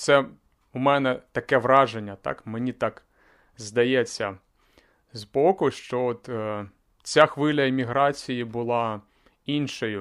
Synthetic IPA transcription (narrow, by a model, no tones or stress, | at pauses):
t̪sɛ | umɛnɛt̪ɐkɛʋɾɑʒenʲːɐt̪ɑ̰kmenʲit̪ɑk | zd̪ɐjɛt͡sʲːɐ | zbɔkʊʃt͡ʃɔɔt̪ː | t͡sʲaxʋɪlʲɐemʲiɦɾɑt͡sʲijibʊlˠɑ | inʃɔjʊ